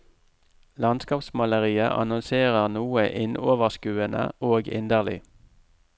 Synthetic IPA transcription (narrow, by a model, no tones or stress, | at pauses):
lɑnskɑːpsmɑləʁiːəʔɑ̰nʊnseːʁəʁnuːəʔɪnʔoːʋəʁskʉːənə̰oːɡɪ̰nd̪əʁlɪ̰